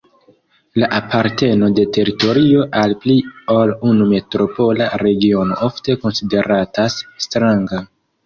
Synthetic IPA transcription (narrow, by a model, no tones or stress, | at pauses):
laʔapʰaɾte̞no̞de̞te̞ɾito̞ɾio̞ʔalplio̞lunume̞tɾo̞po̞laɾe̞ɡio̞no̞̰ʔo̞fte̞ko̞nside̞ɾatasːtɾaŋɡa